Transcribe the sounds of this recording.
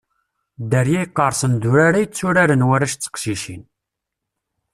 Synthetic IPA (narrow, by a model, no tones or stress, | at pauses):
d̪əɾjæjəqːəɾˤsənd̪ʊɾaɾajət͡sːʊɾaɾənwæɾaʃt͡sːə̥qʃiʃin